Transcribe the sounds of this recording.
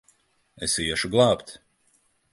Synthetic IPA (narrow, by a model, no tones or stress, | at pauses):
esiɛʃuɡlˠɑːpt̪